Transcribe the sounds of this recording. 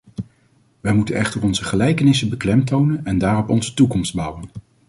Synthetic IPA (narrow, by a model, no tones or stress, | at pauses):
ʋɛjmutənɛχtəɹɔnzəχəlɛjkənɪsəbəklɛmtownənɛndaːrɔpɔnzətukɔmsd̚bʌwən